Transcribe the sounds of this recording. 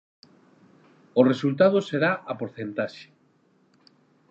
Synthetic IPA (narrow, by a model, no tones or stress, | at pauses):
oresult̪̬að̞oseɾaʔapoɾθent̪aʃe̥